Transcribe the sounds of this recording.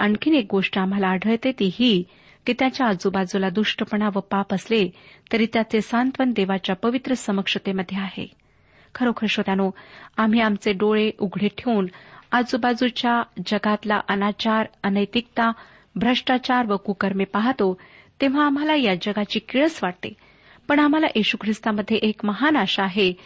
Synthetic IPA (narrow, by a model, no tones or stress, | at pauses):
əɳkʰiːnek̚ɡoʂʈəam̤alaːɽ̤ʱəjt̪et̪iɦi | kit̪jat͡ɕjaːd͡zubad͡zulad̪uʂʈəpəɳaʋəpapəslet̪əɾiːt̪jat͡sesant̪ʋənd̪eʋat͡ɕjapəʋit̪ɾəsəməkʂət̪eməd̪ʱːjeaɦḛ | kʰəɾokʰəɾʂot̪janoam̤iamt͡seɖoɭeʔuɡʱɭeʈʰeunad͡zubad͡zut͡ɕjad͡ʑəɡat̪laʔənat͡ɕaɾənəjt̪ik̚t̪a | bʱɾəʂʈat͡ɕaɾʋəkukəɾmepaɦt̪o | t̪eʋ̤aːm̤alajad͡ʑəɡat͡ɕiːkiɭəsʋaʈt̪ḛ | pəɳam̤alaʔiɕukʰɾist̪aməd̪ʱːjeʔekməɦanaɕaaɦe